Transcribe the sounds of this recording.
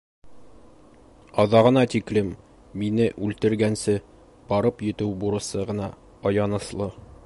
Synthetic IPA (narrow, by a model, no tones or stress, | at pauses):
ɒðɑʁɤ̆nɑt̪iklɘm | binɘʔʉlt̪ɘ̆ɾɡænsɘ | b̥ɒɾɤpjɵ̆t̪ɘwbuɾɤ̆sɤʁɤ̆nɑ | ɒjɑnɤ̆slˠɤ